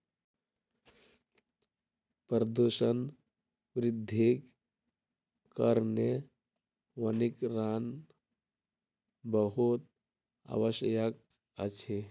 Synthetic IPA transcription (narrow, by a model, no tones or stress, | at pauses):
pɾəd̪uʃən | ʋɾid̪ʱːik | kəɾne | ʋənikɾan | bəɦut̪̚ | a̰ʋəʃjək̚ | ət͡ʃʰe